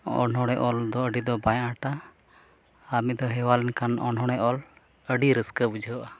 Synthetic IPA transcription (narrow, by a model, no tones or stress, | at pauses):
ɔ̰nɦɔɽ̃ɛʔɔld̪ɔəɖid̪ɔbajaʈa | amid̪ɔɦɛwalɛnkʰanɔn̤ɦɔɽ̃ɛʔɔl | əɖiɾəskəbud͡ʒʱəəʔa